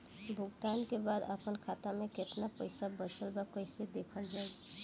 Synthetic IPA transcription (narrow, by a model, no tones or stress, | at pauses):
bʱuɡt̪ankebad̪ə̰pənkʰat̪ameket̪napəɪsabət͡ʃəlbakəɪsed̪ekʰəld͡ʒaɛ